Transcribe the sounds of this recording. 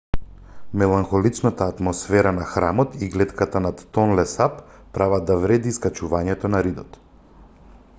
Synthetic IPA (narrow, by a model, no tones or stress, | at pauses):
mɛlˠaŋxɔlit͡ʃnat̪aːt̪mɔsfɛɾanaxɾamɔt̪iɡlɛt̪kat̪anat̪ːɔnlɛsapː | ɾavad̪avɾɛd̪iskat͡ʃuvaɲɛt̪ɔnaɾid̪ɔt̪